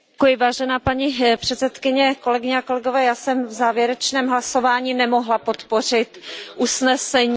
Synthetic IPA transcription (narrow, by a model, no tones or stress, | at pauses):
kujɪvaːʒɛnaːpaɲipr̥ɛt̪t͡sɛt̪kɪɲɛko̞lɛɡɪɲɛako̞lɛɡovɛːjaːsɛmvzaːvjɛɾɛt͡ʃnɛːmɦlaso̞vaːɲinɛmo̞ɦlapot̪po̞r̝ɪt̪ʔusnɛsɛɲ